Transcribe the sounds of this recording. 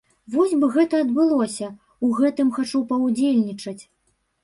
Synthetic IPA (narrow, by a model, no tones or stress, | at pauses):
vɔzʲbɨɣɛt̪ɐɐd̪bɨlˠɔsʲɐ | uɣɛt̪ɨmxat͡ʂupɐwd͡zʲelʲnʲit͡ʂɐt͡sʲ